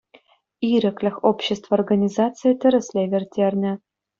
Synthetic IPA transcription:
iɾʲɘ̆klʲɘ̆xopɕest̪vəorɡɐnʲizat̪t͡sɨjet̪ʲɘ̆ɾɘ̆sʲlʲevʲert̪ʲernʲɘ̆

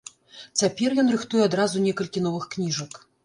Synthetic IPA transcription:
t͡sʲapʲɛrjɔnrɨxt̪ujɛad̪ɾazunʲɛkɐlʲkʲin̪ɔvɨxknʲiʐɐk

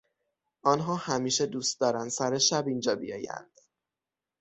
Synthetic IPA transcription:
ɒnɦɒːhæmiːʃed̪uːst̪̚d̪ɒːɾænd̪sæɾeʃæbind͡ʒɒːbḭjɒ̰ːjæ̰nd̪̥

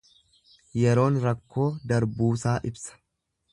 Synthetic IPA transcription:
jɛɾo̞ːnɾɐkːo̞ːd̪ɐɾbuːsaːʔɪbsɐ̥

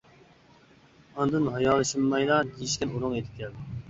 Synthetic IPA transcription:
ɑnd̪ɨnɦɑjɑːlˠːɨʃɨmːɑjlɑd̪ijiʃkʲɪnuɾʊŋed̪ʰɪ̥kʲʰɛ

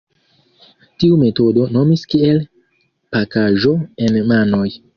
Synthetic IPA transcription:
tiume̞to̞do̞no̞miskiel | pakaʒo̞enmano̞j

